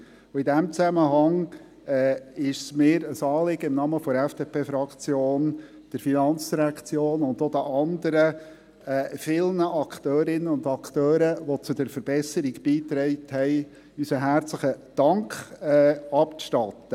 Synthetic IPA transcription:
ʊidæmt͡sæməɦɑŋ | ɛːɪʃsmɪːɾəsɑːlɪɡ̥əɪmnɑməfɔɾɛfd̥eːpʰeːfɾɑkt͡sjoːn | d̥əɾfinɑnt͡sd̥iɾækt͡sjoːnʊnd̪od̥̪əʔɑnd̪əɾə | ɛːfɪlnəʔɑkt̪øːɾɪnːəʊnd̪ɑkʰt̪øːɾəʋot͡sʊd̥əɾfəɾb̥ɛsəɾiɡb̥iːt̪ɾɛɪthɛɪ | ysəɦæɾt͡sləχəd̥ɑŋkχɛːɑpt͡sʃtɑt̪ːə

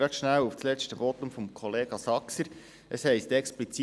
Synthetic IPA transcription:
ɾɑt̪ʃnæwufslɛt͡stəvot̪ʊmfɔmkʰɔleːɡ̥ɑsɑksəɾ | ʔəshɛɪstɛksplit͡si

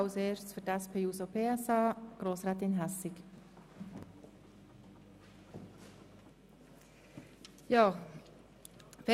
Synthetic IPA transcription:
ʊseːɹt͡sfʏɾtɛspʰeːuːsopʰeːɛsɑːɡ̥ɾoːsʁɛːt̪ɪnɦɛsɪk | jɑː | fe

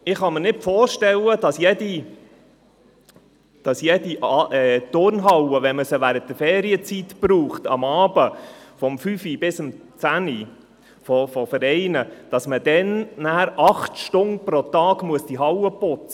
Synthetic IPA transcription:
ɪχɑmənɪtfɔːɾʃtɛwəd̥ɑsjɛdi | d̥ɑsjɛdiʔɑɛt̪ʊɾnɦɑwəʋɛnməsəʋæɾət̚d̥əɾfɛːɾiət͡sit̪pɾuːχtɑ̰mɑːbəfɔmfyfib̥ɪsəmt͡sæni | fɔfɔfəɾɛɪnəd̥ɑsməd̥̪ɛnnæːɾɑχtʃtʊnpɾɔt̪ɑːɡ̥muəsd̥iɦɑwəpʊt͡sə

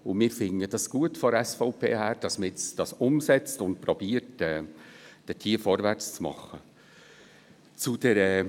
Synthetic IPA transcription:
ʊnmɪːɾfɪŋəd̥ɑsɡ̥uətfɔɾɛsfɔʊpʰḛːhæːɾd̥ɑsməɪt͡sd̥ɑsʊmsɛt͡stʊntpɾɔb̥iːəɾtɛːd̥ətʰiːfɔɾvært͡st͡smɑ̰χːə | t͡sud̥ɛɾɛ

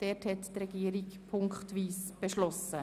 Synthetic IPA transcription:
d̥ɛːthɛttɾɛɡiːɾikpʰʊŋkχtʋiːsb̥ɛʃlɔsə

